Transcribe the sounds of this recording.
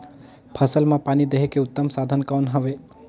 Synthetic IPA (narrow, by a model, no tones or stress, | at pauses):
pʰəsəlmãpaːnid̪eɦekeʊt̪ːəmsad̪ʱənkawnɦəʋe